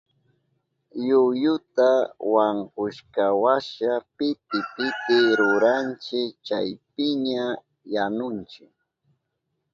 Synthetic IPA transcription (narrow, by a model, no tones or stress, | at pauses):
jʊjʊt̪awaŋkʊʃkawaʃapɪt̪ɪpɪt̪ɪɾʊɾant͡ʃɪkt͡ʃajpɪɲa | janʊnt͡ʃɪk